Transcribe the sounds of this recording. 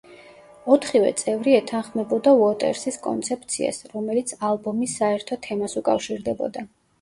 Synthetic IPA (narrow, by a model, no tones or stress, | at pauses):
ɔt̪ʰχivɛ̰t̪sʼɛvɾiɛt̪ʰanχmɛbɔd̪auɔt̪ʼɛ̰ɾsiskʼɔ̰nt̪sʰɛp̚t̪sʰia̰sɾɔmɛlit̪sʰalˠbɔmisːaɛɾt̪ʰɔt̪ʰɛmasukʼafʃiɾd̪ɛbɔ̰d̪a